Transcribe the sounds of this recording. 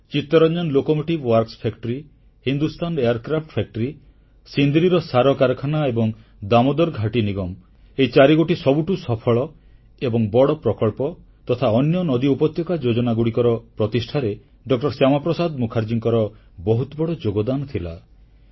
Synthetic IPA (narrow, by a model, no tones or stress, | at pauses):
t͡ʃit̪ːɔɾɔnd͡ʒɔnlokɔmoʈibwaɾkspʰekʈɔɾi | hind̪ust̪ʰaneaɾkɾapʰʈpʰek̚ʈɔɾi | sind̪iɾiɾɔsaɾɔkaɾɔkʰanaebɔŋ | d̪amɔd̪ɔɾɡʱaʈiniɡɔm | eit͡ʃaɾiɡoʈisɔbuʈusɔpʰɔɭɔ | ebɔŋbɔɽɔpɾɔkɔɭpɔ | t̪ɔt̪ʰaɔnjɔnɔd̪iupɔt̪jɔkad͡ʒod͡ʒɔnaɡuɽikɔɾɔpɾɔt̪isʈʰaɾe | ɖɔk̚ʈɔɾsjamapɾɔsad̪mukʰaɾd͡ʒiŋkɔɾɔ | bɔɦut̪ɔbɔɽɔd͡ʒoɡɔd̪anɔt̪ʰila̰